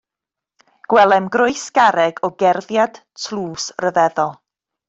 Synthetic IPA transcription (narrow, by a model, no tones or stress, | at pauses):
ɡ̥wɛlˠɛmɡrʊɨsɡ̥aɾɛɡɔɡɛrðjad̥ | tʰlˠuːsrəvɛðɔlˠ